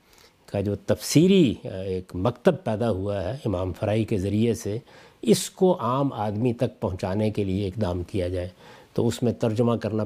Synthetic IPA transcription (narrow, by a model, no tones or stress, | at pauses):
kad͡ʒoːt̪ɐfsiːɾieːkmɐkt̪əb̚pɛːd̪aɦuaɦɛɪmaːmfɐɾaːikezɐɾiese | ɪskoʔaːmaːd̪mit̪ɐk̚pɐɦʊ̃t͡ʃaːnekelieɪkd̪aːmkijad͡ʒaːet̪o̰ʊsmẽt̪ɐɾd͡ʒʊmakɐɾna